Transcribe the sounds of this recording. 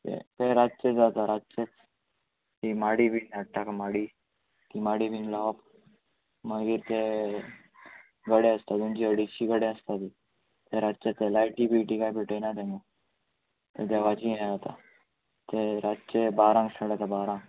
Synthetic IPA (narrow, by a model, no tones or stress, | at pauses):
t̪ḛt̪eɾadt͡ʃed͡zat̪aɾat͡ʃet͡s | t̪imaɽibʱinaʈːakamaɽiː | k̪imaɽibʱinlaap | maɡiːɾt̪e | ɡəɽeəst̪ad̪unt͡ɕiəɽit͡ɕiɡəɽẽəst̪at̪i | t̪eɾad̪t͡ʃet̪elajʈibiʈikajpeʈenat̪eŋa | t̪et̪eʋat͡ɕiɦẽd͡zat̪a̰ | t̪eɾat͡ɕebaɾãŋɡsəɽat̪abaɾãŋ